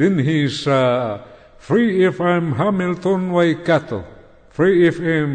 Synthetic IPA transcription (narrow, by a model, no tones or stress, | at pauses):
dinɦisa | fɾiːfajmɦamilt̪onwajkat̪o̰ | fɾiːfajm